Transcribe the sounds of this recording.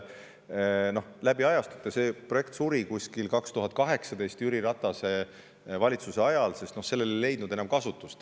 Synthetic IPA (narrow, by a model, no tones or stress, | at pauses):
no̞hlæbiɑjɑst̪u̥t̪ːˑese̞proje̞k̚t̪suɾikusʲkilkɑkst̪uɦɑt̪̚ːˑkɑɦe̞ksɑd̪e̞jst̪yɾiɾɑt̪ːˑɑse̞ | vɑlʲit̪suse̞ɑjɑlse̞st̪no̞hse̞lːe̞le̞jle̞jd̪̥̚nud̪enɑmkɑsut̪ːˑust̪